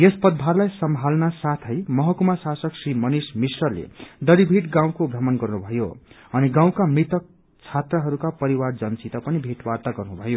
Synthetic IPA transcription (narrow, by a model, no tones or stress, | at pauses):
jespʌd̪̚bʱaɾlajsʌmʱalnasat̪ʰʌjmʌɦʌkumasasʌksrimʌnismisrʌlḛd̪ʌɽibʱiʈɡãw̃kobʱʌmʌnɡʌrnubʱʌjo | ʌniɡãw̃kamit̪ʌk̚ | t͡sʰat̪rʌɦʌɾukapʌɾiward͡zʌnt͡sit̪ʌpʌnibʱiʈwart̪aɡʌrnubʱʌjo